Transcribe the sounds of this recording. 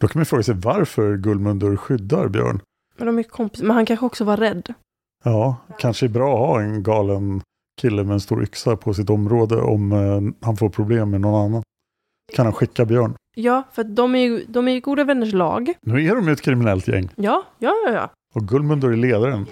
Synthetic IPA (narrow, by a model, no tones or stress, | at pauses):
d̪̥ɔkʰanmajʏfɾoːɡasɛjvaɾfœɾɡɵlmɵnd̪əɾɧʏd̪ːaɾbjœ̰ːɳ | mɛnd̪ɔmæɾjkʰɔmpɪ̥smɛnhankʰanɧəɔksɔvaɾɾɛd̪ː | jɑːkʰanʂəɛbɾɑːɔhɑːɛnɡɑːlən | kʰɪlːəmɛɛnst̪ṵːɾʔʏ̰ksapʰɔs̬ɪt̪ɔmɾoːd̪ə̰ʔɔ̰mhanfoːɾpʰɾʊbleːmːɛnɔnanːan | kʰanhanɧɪkːabjœːɳjɑːfœɾat̪̚d̪ɔmæɾjʏd̪ɔmæɾjʏɡuːd̪avɛnːəʂɭɑ̰ːɡnʉ̟ːæɖɔmjɵɛt̪kʰɾɪmɪnɛlt̪jɛ̰ŋːjɑːjɑːjjɑ̰ː | ɔɡɵlmɵnd̪əɾæɭeːd̪aɾən